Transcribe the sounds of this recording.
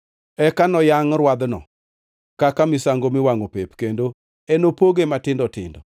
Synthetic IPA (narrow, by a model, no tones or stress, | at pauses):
ɛkanɔjaŋɾwad̪nɔ̰ | kakamɪsaŋɡomɪwaŋopepkendo | enopoɡematɪndɔtɪ̰ndɔ̰